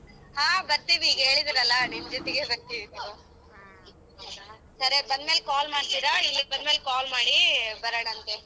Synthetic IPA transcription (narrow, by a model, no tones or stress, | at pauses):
haːbɐɾt̪iʋiːɡɐeːɭid̪iɾɐlːɐnimd͡ʒɔt̪iɡebɐɾt̪iʋid̪u | sɐɾebɐnd̪meːlkaːlmaːɖt̪iɾaninɐɡ̚bɐnmeːlkaːlmaːɽibɐɾɐɽɐnt̪e